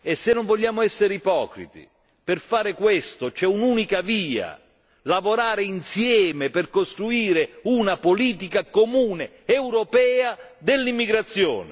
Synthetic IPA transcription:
esːenːoɱvoʎːaːmʊɛsːeɾipɔ̰ːkɾḭt̪ḭ | pɪrfaːɾɪkwest̪ot͡ʃɛunuːnikaviːa̰ | lavoɾaːɾɪinsjɛːmɪpɪrkost̪ɾuiːɾeunapoliːt̪̬ikakomuːne | ɛwɾopɛːad̪ɪlːimːiɡɾat̪sːjo̰ːnɪ

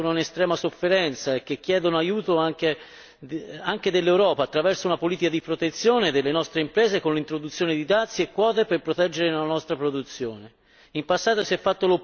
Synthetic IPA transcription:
onounest̪ɾɛːmasofːeɾɛnt̪saek̟ːek̟ːjɛːd̪onoajuːt̪oaŋk̟e | aŋk̟ed̪elːewɾɔːpaːt̪ːɾavɛrsounapoliːt̪ikad̪ipɾot̪et̪sːjoːned̪elːenɔst̪ɾeimpɾɛːzekonlint̪ɾod̪ut̪sːjoːned̪id̪at̪sːiekːwɔːt̪eperpɾot̪ɛd͡ʒːeɾenlanɔst̪ɾapɾod̪ut̪sːjoːne | impasːaːt̪osiɛfːat̪ːolo

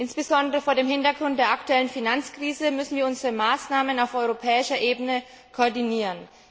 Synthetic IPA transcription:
ʔɪnsb̥əzɔndəʁəfoːɐɾeːmhɪntɐɡʁʊnt̚d̥eːɐʔaktuɛlənfinant͡skʁ̥iːzəmʏsn̩viːɐʊnzəʁəmaːsnaːmənaʊfʔɔʏʁopʰɛːɪʃɐʔeːbənə | kʰoɐdiniːʁən

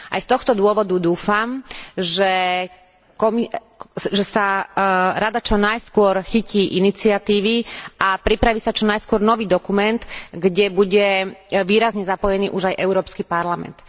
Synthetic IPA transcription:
ʔa̰jst̪ɔxt̪ɔd̪ʊɔʋɔd̪ud̪uːfamʒɛ | kɔmi | ʒɛsa | ɾad̪at͡ʃɔnajskʊɔɾxiciːʔinit͡siat̪iːʋiʔapɾipɾaʋisat͡ʃɔnajskʊɔɾnɔʋiːd̪ɔkumɛnt̪ɡɟɛbuɟɛʋiːɾazɲɛzapɔjɛniːʔuʒajʔɛʊɾɔːpskipaɾlamɛ̰nt̪

